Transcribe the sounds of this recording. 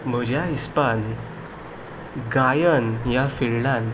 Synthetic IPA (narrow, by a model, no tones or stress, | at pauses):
m̤əd͡ʑjaispan | ɡajənjafeɭlan